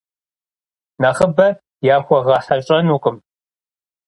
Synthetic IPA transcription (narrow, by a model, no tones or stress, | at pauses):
naχəbɐ | jaːxʷɔʁɑːħɐɕʼɐnuːqʼəm